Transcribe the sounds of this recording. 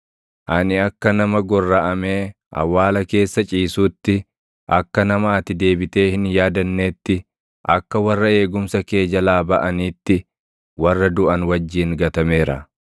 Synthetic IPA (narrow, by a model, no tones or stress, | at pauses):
ʔɐnɪɐkːɐnɐmɐɡɔrːɐʔɐmeː | ʔɐ̰wːaːlɐke̞ːsːɐt͡ʃʼiːsuːt̪ːɪ | ʔɐkːɐnɐmaːt̪ɪd̪e̞ːbɪt̪e̞ːhɪnjaːd̪ɐnːe̞ːt̪ːɪ | ʔɐ̰kːɐwɐrːɐe̞ːɡʊmsɐke̞ːd͡ʒɐlaːbɐʔɐniːt̪ːɪ | wɐrːɐd̪ʊʔɐnwɐd͡ʒːiːŋɡɐt̪ɐme̞ːɾɐ̰